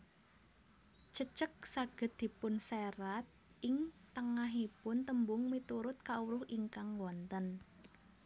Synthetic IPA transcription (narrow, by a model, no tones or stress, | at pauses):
t͡ʃət͡ʃək̚saɡ̥ə̤t̪̚d̪̥i̤pʊnseɾat̪̚ | ʔɪŋt̪əŋaɦipʊnt̪əmbʊŋmit̪uɾʊt̪̚kauɾʊhiŋkaŋwɔnt̪ən